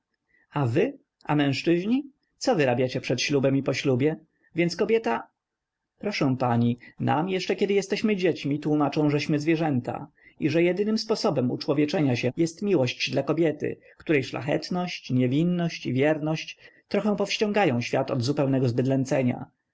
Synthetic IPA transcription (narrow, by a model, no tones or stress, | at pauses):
avɘ | amɛ̃w̃ʂt͡ʂɘʑɲi | t̪sɔvɘɾabʲjat͡ɕɛpʂɛt̪ɕlubɛmipɔɕlubʲjɛ | vʲjɛnt̪skɔbʲjɛt̪a | pɾɔʂɛ̃w̃paɲina̰mjɛʂt͡ʂɛkʲɛd̪ɘjɛst̪ɛɕmɘd͡ʑet͡ɕmʲit̪wumat͡ʂɔ̃w̃ʐɛɕmɘzvʲjɛʐɛnt̪a̰ | iʐɛjɛd̪ɘnɘmspɔsɔbɛmṵt͡ʂwɔvʲjɛt͡ʂɛɲaɕɛjɛst̪mʲiwɔɕt͡ɕd̪lakɔbʲjɛt̪ɘ̰ | kt̪uɾɛjʂla̰xɛ̰t̪nɔɕt͡ɕɲɛvʲinːɔɕt͡ɕivʲjɛɾnɔɕt͡ɕt̪ɾɔxɛ̃w̃pɔfɕt͡ɕɔ̃ŋɡajɔ̃w̃ɕfʲjat̪ɔ̰d̪zupɛwnɛɡɔzbɘd̪lɛnt̪sɛɲa̰